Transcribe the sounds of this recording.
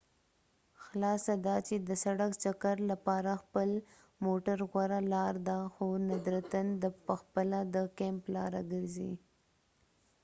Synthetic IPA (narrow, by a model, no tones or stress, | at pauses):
xlɑsad̪ɑt͡ʃed̪əsaɽakt͡ʃakaɾlapɑɾaxpəl | moʈaɾɣwaɾalɑɾd̪axonad̪ɾat̪and̪əpəxpəlad̪əkemplɑ̰ɾa̰ɡəɾzḭ